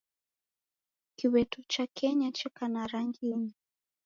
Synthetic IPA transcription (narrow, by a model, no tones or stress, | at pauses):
kiwɛtut͡ʃakʰɛɲat͡ʃɛkanaɾaŋɡini